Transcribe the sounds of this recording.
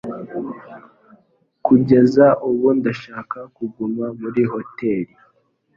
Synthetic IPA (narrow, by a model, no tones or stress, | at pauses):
kuɟe̞zaʔuβundaʃaːkakuɡumamuɾiho̞te̞ɾi